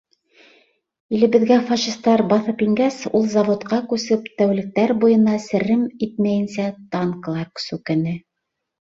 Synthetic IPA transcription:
ilɘ̆βɘ̆ðɡæfɑʃist̪ɑɾbɑθɤpiŋɡæsulˠzɑvot̪qɑkʉsɘpt̪æwlɘ̆k̚t̪æɾbujɤ̆nɑsɘ̆ɾɘmit̪̚mæjɘ̆nsæt̪ɑŋklˠɑksʉkɘ̆nɘ

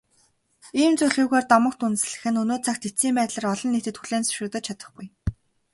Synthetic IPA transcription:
iːmt͡sujɮɣuːɣoːrt̪ɔmə̆kt̪unsɮɘ̆xɘ̆nɵnoːt͡sʰakt̪isiːmpæːt̪ɮaːrɔɮɞ̆nːet̪ɘ̆t̪xuɮeːnsɵ̥ʃɪ̆t̪ə̆t͡ɕʰat̪ə̥̆χɡuj

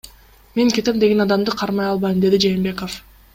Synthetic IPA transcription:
me̞ŋke̞t̪emd̪eɡe̞nɑd̪ɑmd̪ɯqʰɑɾmɑjɑlˠβɑjɯmd̪e̞d̪id͡ʒe̞ːmbe̞kof

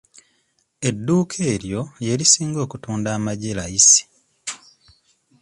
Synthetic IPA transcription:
e̞dːuːkʰe̞ːɾjo̞je̞lisiːŋɡo̞ːkutuːndaːmaɟelajisi̥

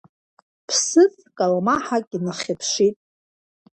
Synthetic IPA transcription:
pʰsɨz | kʼalmaħakʲʼinɨχʲapʰʃitʼ

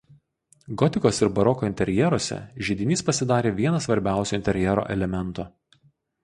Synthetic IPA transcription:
ɡɔt̪ʲɪkoːsɪɾbɐɾɔkoːɪnʲt̪ʲɛɾʲjɛɾoːsʲɛ̰ʒʲɪd̪ʲɪnʲiːspɐsʲɪd̪ɑːɾʲeːʋʲiɛnɐsʋɐɾʲbʲæˑʊsʲuːɪnt̪ʲɛɾʲjɛɾo̰ːʔɛ̰lʲɛmʲɛnˑt̪oː

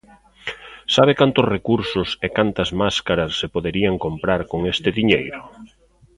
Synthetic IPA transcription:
saβ̞ɪkant̪ʊsrekuɾsʊsekant̪ɐzmaskaɾɐsːepoðeɾiɐŋkompɾaɾkoŋest̪ɪðiɲejɾʊ

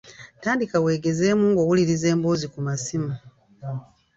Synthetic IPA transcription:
taːndikawe̞ːɡe̞ze̞ːmuːŋɡo̞ːwuliɾize̞ːmboːzikumasimu

